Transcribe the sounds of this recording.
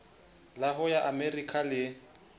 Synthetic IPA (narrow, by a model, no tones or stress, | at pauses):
laɦʊjaʔamerikʰalɪ